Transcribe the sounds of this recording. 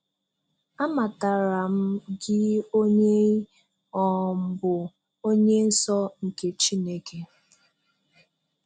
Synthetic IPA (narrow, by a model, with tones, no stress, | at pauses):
a˦ma˨ta˨ɾa˨m̩˦ɡɪ˦o˦ɲe˦ | ɔ˨m̩˨bʊ˨ | o˦ɲe˦n̩˦sɔ˦ŋ̩˨ke˨t͡ʃi˦ne˦ke˦